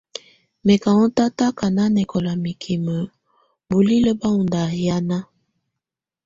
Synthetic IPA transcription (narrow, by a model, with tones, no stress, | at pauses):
me˨ka˨ŋɔ˦ta˦ta˦ka˨na˦nɛ˨kɔ˨la˨mi˨kʰi˨mə˨ | bu˨li˦lə˦ba˦u˨nda˨ja˦na˦